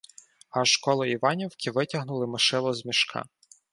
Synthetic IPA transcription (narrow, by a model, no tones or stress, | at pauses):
ɐʃkɔlˠɔiʋɑnʲiwkʲiʋɪtʲɐɦnʊlˠɪmɪʃɪlˠɔzmʲiʃkʰɑ̰